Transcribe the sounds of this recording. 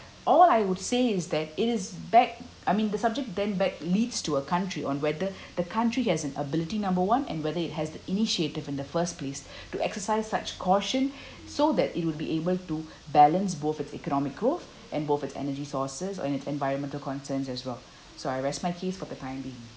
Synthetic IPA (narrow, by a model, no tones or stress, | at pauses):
ʔɔlaɪwʊd̥seːɪzd̪ɛtɪtɪzbɛk̚ | aɪmĩnd̪əsab̚d͡ʒɛk̚t̚d̪ɛ̃nbɛk̚liːdstuəkʰãntɹiʔɔ̃nwɛd̪ə | d̪əkʰãntɹihɛzɛ̃nə̰bɪlɪtinãmbəwãnɛ̰̃nwɛðəɪt̚ɦɛzdiʔiniʃietɪvɪ̃nd̪əfəsples | tuʔɛksəsaɪzsat͡ʃkʰɔʃə̃n | sod̪ɛtɪt̚wʊd̚biʔebəltu | bɛlə̃nsboθɪtsɛ̰kənɔmɪk̚ɡ̥ɹoθ | ʔɛ̃nboθɪtsɛ̰nəd͡ʒisɔsəz̰ɛ̃nɪtsɛ̰̃nvaɪɹə̃nmɛ̃ntəlkɔ̃nsə̃nsɛswɛl | soaɪɹɛst̚maɪkʰesfɔd̪ətãɪ̃mbiɪ̃ŋ